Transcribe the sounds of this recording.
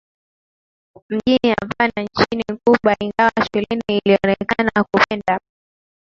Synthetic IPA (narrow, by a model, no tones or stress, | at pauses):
m̩ʄiniavanant͡ʃinikuɓwaiŋɡawaʃulɛniːliɔnɛkanakupɛnda